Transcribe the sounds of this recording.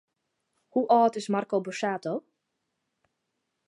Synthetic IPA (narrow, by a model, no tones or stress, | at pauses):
huʔɔːtɪsmarkowbosaːto